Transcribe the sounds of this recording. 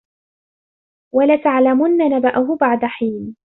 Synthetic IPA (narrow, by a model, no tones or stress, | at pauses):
walat̪aʕlamʊnːanabaʔʊɦʊbaʕd̪aħiːn